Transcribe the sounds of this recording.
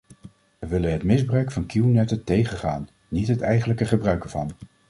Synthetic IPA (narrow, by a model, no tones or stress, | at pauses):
ʋəʋɪlənɦətmɪzbrœɥkfɑnkuwnɛtətejχəχaːnː | itɦətɛjχənləkəχəbrœɥkəɹvɑ̰n